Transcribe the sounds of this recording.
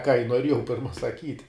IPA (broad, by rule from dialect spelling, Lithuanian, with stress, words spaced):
kɑː ɪ nuɔˈrʲiɛjɛʊ ˈpʲɪrmɐ sɐˈkʲiːtʲ